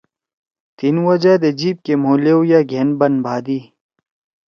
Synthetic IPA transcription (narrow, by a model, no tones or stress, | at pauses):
t̪inwɐd͡ʑad̪ɐd͡ʑiːb̚kemoːleujaːɡʱenbɐnbʱaːd̪iː